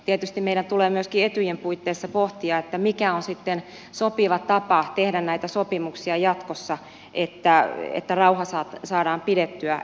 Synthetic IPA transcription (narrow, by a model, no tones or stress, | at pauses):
t̪iet̪yst̪immeiɾænt̪uleːmyøskiet̪yjempuit̪ːeːsːɑpoht̪iɑet̪ːæmikæonsit̪ːen | sopiʋɑt̪ɑpɑt̪ehdænnæit̪æsopimuksiɑjɑt̪kosːɑ | ʔet̪ːæḛt̪ːærɑuhɑsɑːt̪sɑːdɑːmpidet̪ːyæ